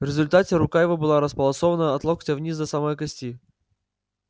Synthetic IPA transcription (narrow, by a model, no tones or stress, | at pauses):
vɾʲɪzʊlʲt̪atʲɪɾʊkajɪvəbɨlˠaɾəspəlˠɐsovənəɐt̪lˠoktʲəvnʲisd̪əsamojkɐsʲtʲi